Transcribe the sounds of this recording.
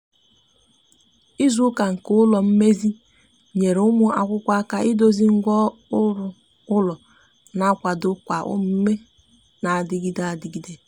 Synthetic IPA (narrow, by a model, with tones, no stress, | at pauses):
i˦zu˦ka˨ŋ̩˨kʊ˦ʊ˦lɔ˨m̩˦me˦zi˦ | ɲe˨ɾe˨˦ʊ˦mʊ˦ʔa˨kʷʊ˦kʷa˦a˦ka˦ʔɪ˦do˦zi˦ŋ̩˦ɡʷɔ˦ʊ˦ɾʊ˨ | ʊ˦lɔ˨ | na˨˦kʷa˨dʊ˦kʷa˨ʔʊ̰˦m̩˦m̩˦me˦ | na˨a˨dɪ˨ɡi˦da˨a˨dɪ˨ɡi˦de˨